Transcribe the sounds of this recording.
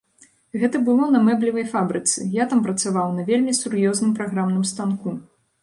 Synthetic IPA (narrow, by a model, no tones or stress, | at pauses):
ɣɛt̪ɐbɨlˠɔnɐmɛblʲivɐjfabɾɨt̪sɨ̰jat̪ampɾɐt̪savawnɐvʲelʲmʲisuɾjɔznɨmpɾaɣɾamnɨmst̪anku